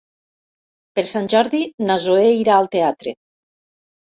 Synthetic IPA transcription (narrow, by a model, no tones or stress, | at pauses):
peɾsanʲʒɔɾðinazoeiɾaːlˠt̪eat̪ɾḛ